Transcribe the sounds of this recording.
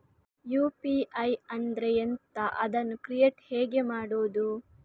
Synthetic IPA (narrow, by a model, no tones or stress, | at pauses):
juːpiɐjɐnd̪ɾejent̪ɐʔɐd̪ɐnːukɾijeːʈhɛːɡe̞maːɽoːd̪u